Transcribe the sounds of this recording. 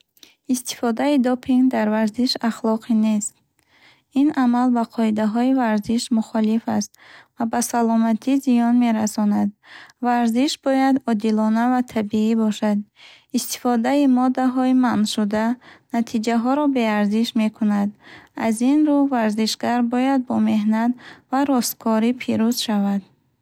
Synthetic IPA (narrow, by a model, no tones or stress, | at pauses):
ist̪ʰi̥fɔd̪aid̪ɔpʰiŋɡd̪aɾvaɾziʃaχlɔqʰine̞st̪ | inamalbaqʰɔid̪aɦɔivaɾziʃmuχɔlifast̪vabasalɔmat̪ʰizijɔnme̞ɾasɔnad̪̚vaɾziʃbɔjad̪ɔd̪ilɔnavat̪ʰabiibɔʃad̪̚ | ist̪i̥fɔd̪aimɔd̪aɦɔimanʃud̪anat̪ʰid͡ʒaɦɔɾɔbe̞aɾziʃme̞kʰunad̪azinɾuvaɾziʃɡaɾbɔjad̪̚bɔme̞ɦnat̪vaɾɔst̪̚kʰɔɾipʰiɾuzʃavad̪̥